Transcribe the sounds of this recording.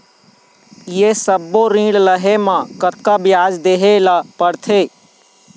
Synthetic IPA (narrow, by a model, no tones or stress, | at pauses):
jesəbːoɾĩːɽləɦemãkət̪̚kabjaːd͡ʒd̪eːɦelapəɽt̪ʰeː